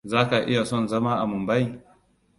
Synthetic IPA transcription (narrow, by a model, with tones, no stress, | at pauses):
zaː˦ka˨ʔɪ̰˦ja˨sɔ˦˨nzɐ˦ma˦ʔa˨mʊ˨mba˦j